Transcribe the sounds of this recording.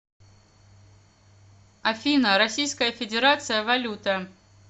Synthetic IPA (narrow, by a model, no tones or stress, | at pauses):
ɐfʲinəɾɐsʲijskəjəfʲɪdʲɪɾat̪sɨjəvɐlʲut̪ə